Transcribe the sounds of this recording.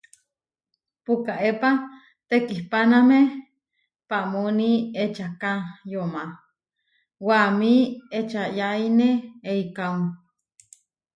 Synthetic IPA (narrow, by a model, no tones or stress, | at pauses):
pukaepa | t̪ekihpaname | paʔmoniet͡ʃakajoma | wamiet͡ʃajaineeikau